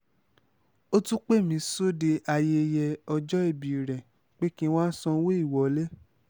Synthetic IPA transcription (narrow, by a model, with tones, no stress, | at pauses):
o˦tũ˦k͡pe˦˨mĩ˨˧so˦de˧a˧je˧jɛ˧ɔ˧d͡ʒɔ˦e˦˨bi˨ɾɛ˨ | k͡pe˦kĩ˦wã˦sɔ̃˧˦we˦i˦˨wɔ˨le˦